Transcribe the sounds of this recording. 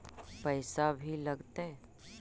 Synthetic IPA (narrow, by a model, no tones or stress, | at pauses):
pəɪsabʱilɐɡt̪e